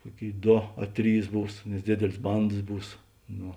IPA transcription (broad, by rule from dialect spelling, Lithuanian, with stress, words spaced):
ˈkuɔˌkʲeːɪ ˈdoː ɐ ˈtʲrʲiːs ˈbuːs nʲɛs ˈdʲeːdʲeːlʲeːs ˈbɐndɐs ˈbuːs ˈnoː